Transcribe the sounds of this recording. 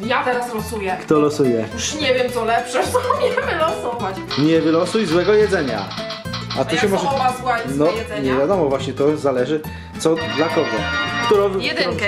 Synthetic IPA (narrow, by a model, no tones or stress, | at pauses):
jat̪ɛɾaslɔsujɛkt̪ɔlɔsujɛjuʂɲɛvʲjɛmt̪sɔlɛpʂɛt̪ɔɲɛvvɘlɔsɔvat͡ɕɲɛvɘlɔsujzwɛɡɔjɛd̪zɛɲa̰ | at̪uɕɛmɔʐɛwazwanɔɲɛvʲjad̪ɔmɔvwaɕɲɛt̪ɔzalɛʐɘ | t̪sɔd̪lakɔɡɔkt̪uɾɔ̃vd̪